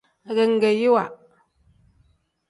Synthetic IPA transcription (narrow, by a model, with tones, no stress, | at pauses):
a˨ɣɛ˨ŋ̩˦ɡe˨ji˦wa˨